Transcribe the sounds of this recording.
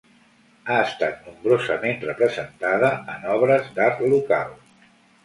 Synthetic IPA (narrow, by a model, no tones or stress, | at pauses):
aəst̪at̪numbɾozəmenrəpɾəzənt̪að̞əənɔβɾəzd̪aɾt̪luka̰lˠ